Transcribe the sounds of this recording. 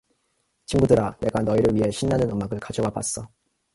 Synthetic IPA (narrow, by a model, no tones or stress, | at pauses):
t͡ɕimɡudɯɾane̞ɡanʌiɾɯɭɥiɦe̞ɕʰinːanɯnɯmaɡɯɭkad͡ʑʌɡapa̰s͈ʌ